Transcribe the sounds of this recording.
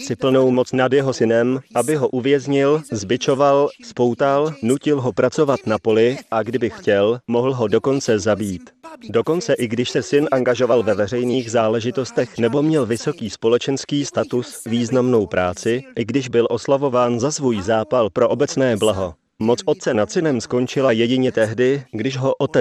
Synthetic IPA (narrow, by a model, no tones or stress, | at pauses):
sɪpl̩no̞wmot͡snadjɛɦo̞sɪnɛmʔabɪɦo̞ʔuvjɛzɲɪlzbɪt͡ʃo̞valspo̞wt̪alnucɪlɦo̞pɾat͡so̞vat̪napo̞lɪʔaɡdɪbɪxcɛlmo̞ɦl̩ɦo̞do̞ko̞nt͡sɛzabiːt̪do̞ko̞nt͡sɛʔɪɡdɪʃsɛsɪnʔaŋɡaʒo̞valvɛvɛr̝ɛjniːxzaːlɛʒɪt̪o̞st̪ɛxnɛbo̞mɲɛlvɪso̞kiːspo̞lɛt͡ʃɛnskiːst̪at̪ʊsviːznamno̞wpɾʔaːt͡sɪʔɪɡdɪʒbɪlʔo̞slavo̞vaːnzasvuːjzaːpalpɾo̞ʔo̞bɛt͡snɛːblaɦo̞ | mo̞t͡sʔot̪̚t͡sɛnat̪sɪnɛmsko̞nt͡ʃɪlajɛɟɪɲɛt̪ɛɦdɪɡdɪʃɦo̞ʔot̪ɛ